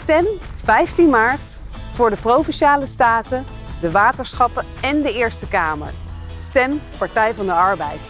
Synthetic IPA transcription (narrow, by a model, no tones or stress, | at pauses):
stɛm | v̥ɛjftinmaːɹt | fʊːɹdəprowvɛnʃaːləstaːtə | dəʋaːtəɹsχɑpə | ɛndəɪːɹstəkaːmə̰ɹ | stɛmpɑɹtɛjvɑndəɑɹbɛjt